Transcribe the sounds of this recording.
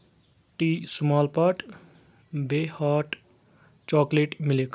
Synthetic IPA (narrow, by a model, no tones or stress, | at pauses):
ʈisumɔlpʌʈ | behɔʈ | t͡ʃɔkleʈmilek